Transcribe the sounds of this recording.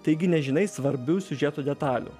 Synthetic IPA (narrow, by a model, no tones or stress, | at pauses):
t̪ɐɪɡʲɪnʲɛʒʲɪnɐɪsʋɐɾʲbʲuːsʲʊʒʲɛt̪oːd̪ʲɛt̪ɑːlʲṵ